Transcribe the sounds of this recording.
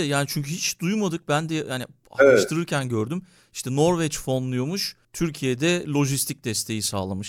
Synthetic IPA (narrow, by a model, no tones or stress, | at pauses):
ɛjaːnit͡ʃʰyɲcʰyhit͡ʃd̪ujmad̪ɯk̚bænd̪ɛjani | a̰aʃt̪ʰɯɾɯɾcʰænɟøɾd̪ym | i̥ʃt̪ʰɛno̞ɾvɛt͡ʃfo̞nlˠujomuʃ | t̪ʰyɾcʰijed̪ɛlʲo̞ʒist̪ʰic̚d̪ɛst̪ʰe̞jisa̰ːlˠamɯʃ